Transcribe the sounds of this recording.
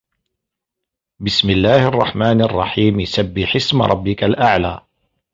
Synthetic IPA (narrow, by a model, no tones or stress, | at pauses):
bɪsmɪlːaːhʔɑrˤːɑ̰ħmaːnʔɑrˤːɑ̰ħiːmjsabːɪħɪsmɾˤɑbːɪkalʔaʕlaː